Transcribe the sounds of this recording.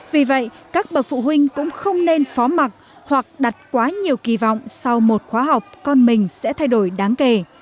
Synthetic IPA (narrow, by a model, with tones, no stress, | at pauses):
vi˨˩və̰˧˨jkaː˦˥k̚ɓə˨˩k̚fṵ˧˨hwï˧ŋ̟kʊ̰˧˥ŋ͡mxə˧wŋ͡mne˧nfɔ˨˦ma˨˩t̚ | hwa˨˩k̚ɗa˨˩t̚kwaː˨˦ɲi˨˩əwki˨˩vɔ̰˧˨wŋ͡msa˧wmo˨˩t̚xwaː˨˦ɦa˨˩wk͡p̚kɔ˧nmï˨˩ŋ̟sɛ̰˧˥t̪ʰa˧jɗo˧˩jɗaː˨˦ŋke˧˩